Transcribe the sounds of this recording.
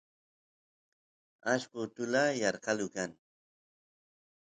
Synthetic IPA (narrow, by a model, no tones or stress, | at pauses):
aʃkʊt̪ʊlajɑɾqɑlʊkaŋ